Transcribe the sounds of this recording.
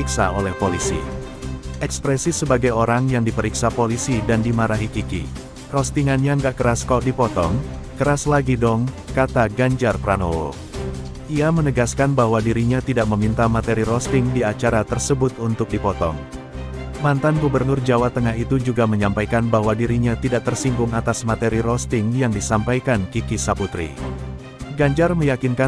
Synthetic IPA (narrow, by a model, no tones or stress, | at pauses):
iksa̰olɛhpolisḭ | ʔɛkspɾɛsisəbaɡajoɾaŋjaŋdipəɾiksapolisidandimaɾaɦikikḭ | rɔst̪iŋanɲaŋɡaʔkəɾaskɔdipɔt̪ɔŋkəɾaslaɡidɔŋkat̪aɡaɲd͡ʒarpɾanowo̰ | ʔiamənəɡaskanbaɦwadiɾiɲat̪idaʔməmint̪amat̪eɾiɾɔst̪ɪŋdiat͡ʃaɾat̪ərsəbʊt̪unt̪ʊk̚dipɔt̪ɔ̰ŋ | mant̪anɡubərnʊrd͡ʒawat̪əŋaɦit̪ud͡ʒuɡaməɲampajkanbaɦwadiɾiɲat̪idaʔ̚t̪ərsiŋɡʊŋat̪asmat̪eɾiɾɔst̪ɪŋjaŋdisampajkankikisaput̪ɾḭ | ɡaɲd͡ʒarməjakinka